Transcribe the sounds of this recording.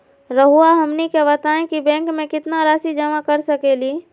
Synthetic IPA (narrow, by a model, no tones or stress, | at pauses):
ɾəɦuaɦəmnikeβɐt̪aːẽkibɛ̃ːŋkmẽkɪt̪naɾaːsid͡ʒəmakəɾsəkeːliː